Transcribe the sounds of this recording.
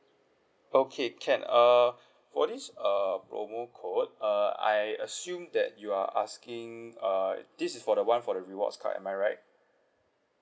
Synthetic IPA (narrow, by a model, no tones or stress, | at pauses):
okʰekʰɛ̃nʌ | fɔdisʌpɹo̰mokʰot̚ʌa̰jəsjũmdɛ̰t̚juaʔa̰skĩŋʌd̥isisfɔdəwãnfɔdəɹiwɔ̰tskʰa̰tɛ̰̃maɪjɹaɪt̚